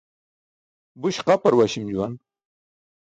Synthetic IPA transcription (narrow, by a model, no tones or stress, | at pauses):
buɕqapɐɾwaɕimd͡ʑuwan